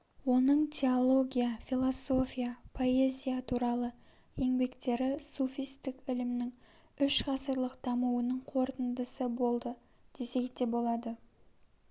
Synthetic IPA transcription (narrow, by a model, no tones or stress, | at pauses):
wo̞nəɴt̪ʲʰe̞olˠo̞ɡʲijafʲilˠoso̞fʲijapʰo̞e̞zʲijat̪ʰuɾɑlˠə | je̞ŋbe̞kt̪e̞ɾɪsofijst̪ɪkɪlɪmnɪŋ | ʏʃqʰɑsəɾlˠəqd̪̥ɑmuwənəɴqʰo̞ɾt̪ənd̪əsəbo̞lˠd̪ə | d̪̥e̞se̞kd̪e̞bo̞lˠɑd̪ə